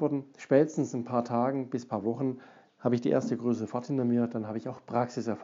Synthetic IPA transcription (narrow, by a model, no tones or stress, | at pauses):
vɔɐdn̩ʃpɛːtəstn̩sanpʰaːɐtʰaːɡŋ̩b̥ɪspʰaːɐvɔχn̩ | haːbəɪçd̥iːʔḛːɐstəɡʁøːsəfɔɐthɪntɐmiːɐd̥anhaːbəɪçaʊxpʁ̥aksɪsɛɐf